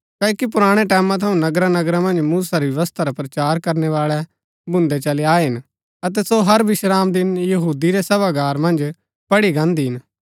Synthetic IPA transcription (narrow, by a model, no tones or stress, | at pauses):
kɐːkip̬ʊɾaːɽ̃eʈɛːmãt̪ʰɐũnɐɡɾanɐɡɾãmɐ̃nd͡ʒmuːsaɾijɐʋəst̪ʰaɾapɾɐt͡ʃaːɾkɐɾneʋaːɭɛ | bʱʊ̃nd̪ɛt͡ʃɐliaːeɦɪn | ɐt̪̬ɛsoɦɐɾʋɪʃɾaːmd̪ɪnjɐɦuːd̪iɾɛsɐbaɡaːɾmɐ̃nd͡ʒ | pɐɽiɡãːnd̪iɦɪn